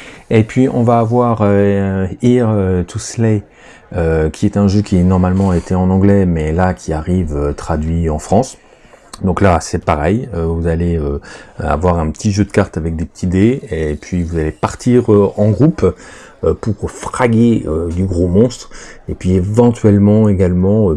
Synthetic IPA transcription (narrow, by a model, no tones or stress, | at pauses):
epɥiʔɔ̃vaːvwaʁø | iʁt̪ʰusle | økʲiɛt̪ɛ̃ʒøkʲinɔʁmalmɑ̃et̪ʰɛɑ̃nɑ̃ɡlɛmɛlakʲʰiaʁivøt̪χad̪ɥiɑ̃fχɑ̃s | d̪ɔ̃klasɛpaʁɛjøvuzaleøa̰vwaʁɛ̃pət̪ʰiʒød̪əkaʁt̪avɛk̚d̪epə̥t̪ʰid̪epɥivuzalepaʁt̪iʁøɑ̃ɡʁup | øpuʁfχaɡʲeød̪yɡʁomɔ̃st̪χepɥievɑ̃t̪ɥɛlmɑ̃eɡalmɑ̃ø